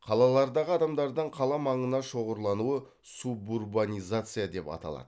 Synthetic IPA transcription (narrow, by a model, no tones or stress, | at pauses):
qʰɑlˠɑlˠɑɾd̪ɑʁəɑd̪ɑmd̪ɑɾd̪əɴqʰɑlˠɑmɑɴənɑʃo̞ʁəɾlˠɑnuə | suburbanʲijzat̪sɨjad̪e̞pɑ̰t̪ɑ̰lˠɑ̰d̪̥ə